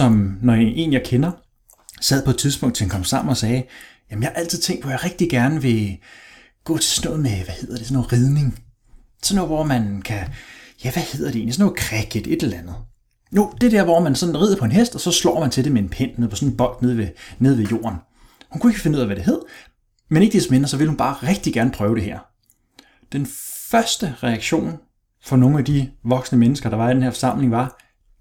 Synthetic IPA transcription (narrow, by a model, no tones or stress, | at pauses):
sɒ̽mnɒʔe̝ːnjɑ̈ɪkʰenɐ | sɛð̰ˠpʰɒ̽e̥t͡sʰiðˠsb̥ɔ̽ŋ̰d̥t͡sʰehænkʰɒ̽m̰sɑ̈m̰n̩ɒ̽sɛː | jæmənjhɑʔæl̰t͡sʰið̞̰ˠt͡sʰeŋ̰d̥̚pʰɒ̽jɪʁɛɡ̥d̥iɡ̥æɐnəʋe̝ | ɡ̥ɔ̰̽ːt͡sʰe̝snɔ̽ːð̩ˠmeʋæhe̝ð̰ˠɐɾ̥e̝sɒnːɔːʁið̞ˠne̝ŋ | sɒnːɔ̽ːð̩ˠʋɒ̰mænkʰæjæʋæhe̝ð̞̰ˠɐd̥ɾe̝̰ːnlisɔnːɔɒkʰʁɛɡ̥id̥e̝d̥elɐlænð̩ˠ | jo̝d̥e̝d̥æɐ̰ʋɒmænsɒ̽nn̩ʁḭðˠpʰɒ̽e̝nɦesd̥ɒ̽sɒ̽slɒ̰ːmænt͡sʰe̝d̥emee̝npʰen̰neð̩ˠpʰɒ̽sɔ̽neb̥ɒ̽l̰d̥ne̝ð̞̰ˠʋene̝ð̞̰ˠʋejo̝̰ːɐn | hunkʰue̝ɡ̥əfenuð̰ˠæʋæd̥e̝ɦe̝ð̰ˠɐ | mene̝ɡ̥d̥ismenɐsɒ̽ʋe̝lhunb̥ɑ̈ːʁeɡ̥̚d̥iɡ̥æɐnəpʰʁœːʊɾ̥e̝ɦæ̰ɐ̰ | d̥enfɶɐsd̥əʁɛɑ̈ɡ̥ɕo̝̰ːn | fɒ̽no̝ːŋ̩æd̥iʋɒ̽ɡ̥snəmenəsɡ̥ɐɾ̥ɑ̈ʋɑ̈d̥enhæɐfɒ̽sɑ̈m̰le̝ŋʋɑ̈